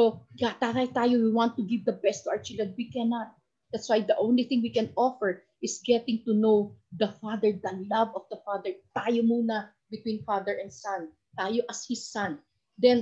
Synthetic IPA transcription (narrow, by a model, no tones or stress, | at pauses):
soɡat̪at̪ajt̪aːjowiwãnt̪ːʊɡɪvd̪ɐbɛst̪ːuʔawəɹt͡ʃɪld̪ɹɛ̃nd̪̚wikɛnat̪̚ | d̪at̪swajd̪ɐʔõwnliθɪ̃ŋwikɛ̃nɔfɛɹ | ʔɪsɡɛt̪ɪ̃ŋt̪unowd̪ɐfad̪ɛɹd̪ɐlavɔfd̪ɐfad̪ɛɹt̪aːjomuːnɐ | bɪt̪wĩnfad̪ɛɹʔɛ̃nd̪san | t̪aːjoʔɐshɪsːãn | d̪ɛn